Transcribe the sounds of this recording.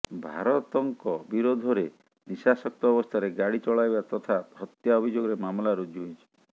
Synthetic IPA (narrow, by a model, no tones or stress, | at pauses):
bʱa̰ɾɔt̪ɔŋkɔbiɾod̪ʱɔɾe | nisasɔk̚t̪ɔːbɔst̪ʰaɾeɡaɽit͡ʃɔɭajbat̪ɔt̪ʰaɦɔt̪jaɔbʱid͡ʒoɡɔɾemamlaɾud͡ʒuɦit͡ʃʰi̥